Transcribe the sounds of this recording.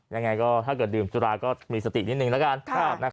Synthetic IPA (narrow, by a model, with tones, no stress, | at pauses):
ja˧ŋːa˧jkɔː˥˩t̪ʰaː˥˩kɤː˨˩t̪dɯː˨˩msu˧ɾaː˧kɔː˥˩miː˧sa˧t̪ḭ˨˩ni˦˥t̪̚nɯ˧ŋlɛ˦˥ka˧nʰa˥˦˨na˧˦˥